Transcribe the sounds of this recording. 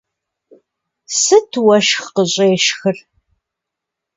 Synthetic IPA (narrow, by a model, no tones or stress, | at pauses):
sɨtʰwɐʃxqəɕʼeːʃxɨr